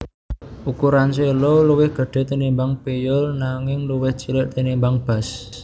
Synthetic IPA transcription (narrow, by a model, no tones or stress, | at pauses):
ʔukuɾanselɔluwɪhɡ̥ə̤ɖ̥ɛ̤t̪inimbaŋpejɔlnaŋɪŋluwɪht͡ʃilɪʔt̪inimbaŋb̥a̤s